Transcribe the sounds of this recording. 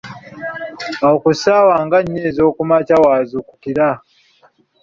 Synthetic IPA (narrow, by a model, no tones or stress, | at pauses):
aokusawaːŋɡaɲːeːzo̞ːkumacawaːzuku̥kiɾa